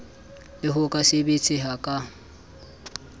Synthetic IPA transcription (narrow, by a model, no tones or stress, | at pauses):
lɪɦʊkʼasɪbet͡sʼɪɦakʼa